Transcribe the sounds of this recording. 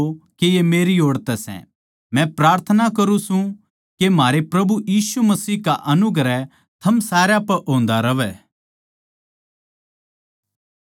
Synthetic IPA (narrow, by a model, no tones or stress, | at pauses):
kejemeːɾioːɽt̪ɛsɛ̰̃ | mɛ̃pɾaːɾt̪ʰənakɐɾũsũ | kemɦaːɾepɾɐbujiːsumɐsiːkaʔɐnʊɡɾɛ | t̪ʰɐmsaːɾjapɐɾʔõːnd̪aɾɐʋɛ